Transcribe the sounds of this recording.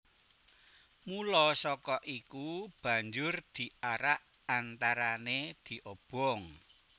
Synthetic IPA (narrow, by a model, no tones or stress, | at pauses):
mulɔsɔkɔʔikub̥ä̤ɲd͡ʒʊrd̪̥i̤aɾaʔ | ant̪aɾaned̪̥i̤ʔob̥ɔŋ